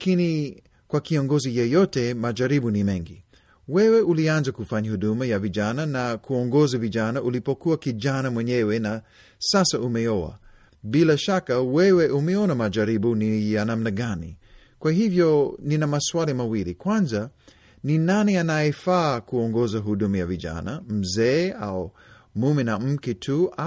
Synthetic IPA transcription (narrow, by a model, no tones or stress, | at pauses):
lakini | kwakiɔŋɡɔzijɛjɔtɛmad͡ʒaɾibunimɛŋɡi | wɛwɛulianzakufaɲahuɗumajavid͡ʒananakʰuɔŋɡɔzavid͡ʒanaʔulipɔkuakid͡ʒanamwɛɲɛwɛna | sasaʔumɛɔwa̰ | bilaʃakawɛwɛʔumɛɔnamad͡ʒaɾibunijanamnaɡanḭ | kwahivjɔninamasualimawilikwanza | ninanianajɛfaːkuɔŋɡɔzaɦudumajaviʄa̰na̰m̩zɛːa̰u | mumɛnam̩kitʰu